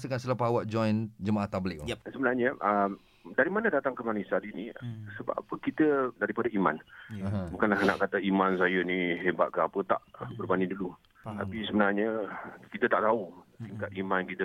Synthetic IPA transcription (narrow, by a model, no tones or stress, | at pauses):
səkansəlapawaʔ̪̚d͡ʒɔjnd͡ʒəmaʔaht̪abəlɪʔsəbənarɲəʔəm | daɾimanədat̪aŋkəmanisatinḭsəba̰pəkit̪ədaɾipadaima̰n | bukanlahna̰ʔkat̪aimansajəniɦeba̰t̪̚kaapət̪a̰ʔbərbanĩdulu | t̪a̰pisəbənarɲəkit̪ət̪aʔt̪aut̪iŋkat̪̚imankit̪ə